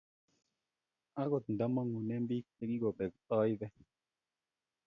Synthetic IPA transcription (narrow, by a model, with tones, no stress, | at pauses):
a˦ɡɔ˨t̪̚n˨da˦ma˦ŋu˨nɛ˦mbi˦k̚e˨˦ki˦ɡo˨ɓɛ˨k̚t̪ɔ˦jvɛ˦